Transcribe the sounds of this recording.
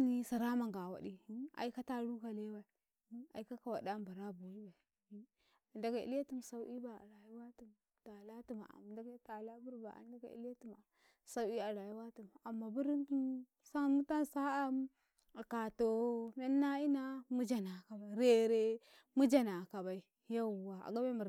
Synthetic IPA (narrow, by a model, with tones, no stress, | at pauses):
ni˦sa˨ɾa˦ma˨ŋɡa˨wa̰˨di˦a̰˨i˦ka˦ta˦ɾu˦ka˨le˦wa˨i˨˦ | a̰˨i˦ka˦ka˨wa˨da˦mba˨ɾa˦bu˨ɾi˦ba˨˦ | a˨nda˨ɡa˨ḭ˦la˦tu˦m˨sa˨˦i˦ba˨a̰˨ɾa˨ji˦wa˦tu˨m | ta˨la˦tu˦ma˨a̰˨m˨da˨ɡa˦ta˨la˦bu˦ɾba̰˨a̰˨nda˨ɡa̰˨ḭ˦la˦tu˦˨ma˨ | sa˦wi˦a˨la˨ji˦wa˦tu˨ma˨a˨mːa˨bu˦ɾi˦ntu˦m | sa˦mu˦ta˦nsa˦a˦m˦ | a˨ka˨to˨me˦nːa˦i˦na˦mu˦d͡ʒa˨na˨ka˨ba˨i˨ɾe˦ɾe˦ | mu˦d͡ʒa˦na˨ka˨ba˨i˨ | ja˦˨wa˨a̰˨ɡa˦ba˦i˦mu˨ɾ